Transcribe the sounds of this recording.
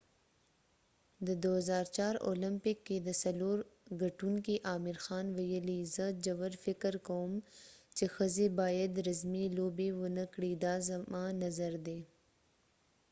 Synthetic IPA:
d̪əd̪ozɑːɾt͡ʃɑːɾo̰lɪmpɪkːed̪əsɐloːɾɡaʈuŋkiʔɑːmɪɾxɑːnwajəlizəd͡ʒɐwəɾfɪkəɾkawəmt͡ʃexəzebɑːjad̪ɾɐzmilobewənəkɽid̪ɑːzɐmɑnɐzaɾd̪e

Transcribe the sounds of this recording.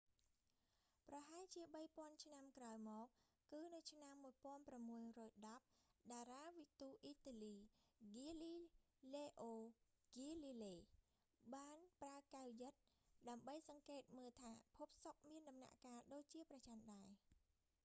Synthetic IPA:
prɑɦaɛlt͡ɕiəɓəjpŏənt͡ɕʰnamkraɔjmɔːk̚ | kɨːnɨwt͡ɕʰnamːuəjpŏənpramːuəjrɔːjɗɑp̚ɗaːraːʋit̪uːʔiːt̪aːliːɡiːliː | leːʔoː | ɡiːliːleː | ɓaːnpraəkawjɨt̪̚ɗaəmɓəjsɑŋkeːt̪̚məːlt̪ʰaːpʰup̚sok̚miənɗɑmna̰ʔkaːɗoːc̚t͡ɕiəprɑt͡ɕamɗaɛ

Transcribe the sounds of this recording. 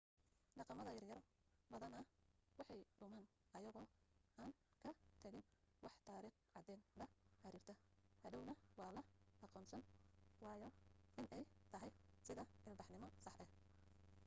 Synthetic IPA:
ɖɑqɑmɐðɐjɐrjɐɾbɐðɐnɐwɑħɑjɖʊmaːn | ʔɐjɐɣɔːʔaːnkʰɐt̪ʰɐɣɪnwɑħt̪ʰaːɾiːχʕɑd̪ɛːnbɐhɐɾiːrt̪ʰɐhɐdɔwnɐwɑːlɐʔɑqɔːnsɐnwɑːjɔʔɪnʔɛjt̪ʰɐɦɛjsɪðɐʔɪlbɑħnɪmɔsɑħʔɛh

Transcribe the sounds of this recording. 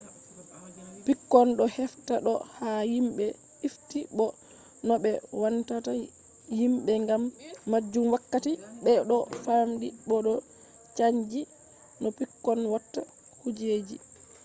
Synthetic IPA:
pikːɔnɗɔhɛftaɗɔhajimɓɛ | iftiɓɔ | nɔɓɛwantata | jimɓɛŋɡamːad͡ʒːumwakːatiɓɛɗɔfamɗiɓɔɗɔ | t͡ʃaɲd͡ʒi | nɔpikːɔnwatːa | hud͡ʒed͡ʒi

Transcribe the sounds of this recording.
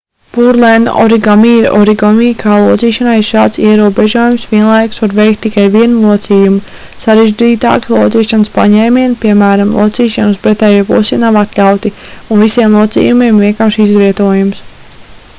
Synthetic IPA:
puɾlɛn̰ɔ̰ɾiɡamiːɾɔ̰ɾiɡɔmiːkʰaːlˠuɔt̪siːʃanajiɾʃaːt̪siɛɾuɔbɛʒuɔjumsʋiɛnlˠajksʋaɾvɛjk̚t̪ːikajʋiɛnulˠuɔt̪siːjumu | saɾeʒd͡ʒiːt̪a̰ːkslˠuɔt̪siːʃanspa̰ɲɛːmʲiɛnpiɛmæːɾamlˠṵɔt̪siːʃanuspɾɛt̪ɛːjopṵsinavat̪lʲawt̪iunvisiɛmlˠuɔt̪sḭːjumiɛmvʲiɛŋkamʃizʋiɛt̪uɔjums

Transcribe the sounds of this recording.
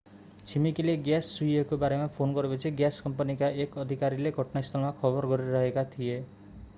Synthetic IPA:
t͡ʃʰimikileɡjasːujekobaɾemapʰonɡɔɾepɔt͡ʃʰiɡjaskɔmpɔnikaʔekʌd̪ʱikaɾileɡʱɔʈnaist̪ʰɔlmakʰɔbɔɾɡɔɾiɾɔɦekat̪ʰie

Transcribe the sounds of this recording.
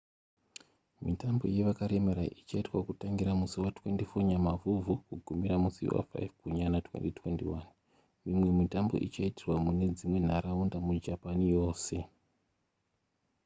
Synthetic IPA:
mitambo̞̰je̞ʋakaɾe̞maɾaʔit͡ʃaitwakutaŋɡiɾamusiwatwe̞ntifoɲamavuvukuɡʱumiɾamusḭwa̰fa̰jvkuɲanatwḛntitwe̞̰ntiwan | mimwe̞mitambo̞̰ʔit͡ʃaitirwamune̞d͡zimwe̞n̤aɾaundamud͡ʒapanijo̞ːse̞

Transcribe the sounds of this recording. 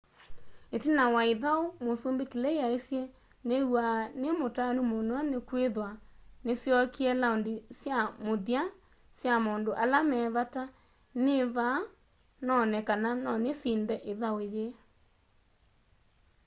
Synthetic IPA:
etenawaeðaomosombekelɛeaesjɛ | newanemotanumonoanekweðwanesjɔkiɛlaondesjamoðia | sjamoːndoʔalamɛːβata | neβa | nɔnɛkananɔnesiːndɛʔeðaoeje

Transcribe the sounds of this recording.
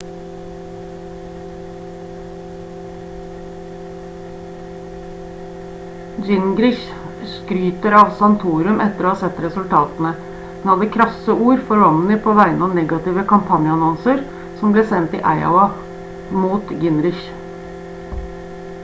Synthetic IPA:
d͡ʒɪnɡɾɪç | skɾyːt̪əɾɑːʋsɑnt̪ʰuːɾʉmʔɛt̪ːəɾoːɑːsɛt̪ːɾɛsʉlt̪ʰɑːt̪ənə | hɛnhɑd̪əkʰɾɑsəʔuːɾfɔɾʋɑnn̩ɪpʰoːʋæɪnɑːnɛɡɑt̪ɪːʋəkʰɑmpʰɑnjəɑnɔnsəɾ | sɔmbleːsɛnt̪ḭːʔæɪɑ̰ʊɑ | muːt̪ɡɪnɾɪç

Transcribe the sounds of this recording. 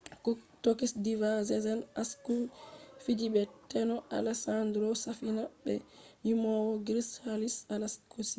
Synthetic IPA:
tokisdivazɛzɛnaskufid͡ʒibɛtɛnɔʔa̰lɛsandɾɔsafinabɛ̰jimɔwɔɡɾishalisalaskʰusi̥

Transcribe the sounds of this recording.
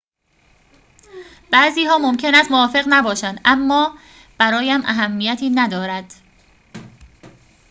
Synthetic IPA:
b̥æːziːhɒːmomcʰe̞næst̪moɒːfe̞ɣnæbɒːʃænd̪ʔæmːɒː | b̥æɾɒːjæmʔæ̰ɦæmːijæt̪ʰiːnæd̪ɒːɾæd̪̥

